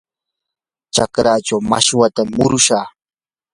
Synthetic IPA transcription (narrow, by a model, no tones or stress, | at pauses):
t͡ʃakɾaːt͡ʃawma̰ʃwat̪amːʊɾʊʃaː